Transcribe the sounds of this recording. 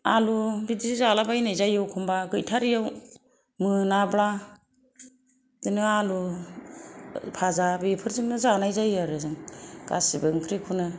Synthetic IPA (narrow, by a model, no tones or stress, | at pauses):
alubidizizalabajnajzajɯwkʰɔmbaɡɯjtʰaɾijaw | mɯnabla | dɯnɯalu | pʰazabipʰɯɾzimnɯzanajzajaɾɯzɯŋɡ̥a̰sibɯŋkʰɾikʰunɯ